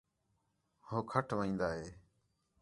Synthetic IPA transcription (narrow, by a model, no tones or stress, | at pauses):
hoːkʰəʈʰʋəĩːnd̪aːɦeː